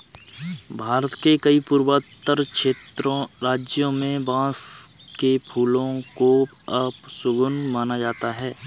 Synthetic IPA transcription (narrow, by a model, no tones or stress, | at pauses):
bʱaːɾət̪kekəipʊːɾwət̪ːəɾkʃeːt̪ɾõɾaːd͡ʒjõmẽbãːs | kepʰuːlõko | ɐpsʊɡʊnmaːnad͡ʒaːt̪aɦɛː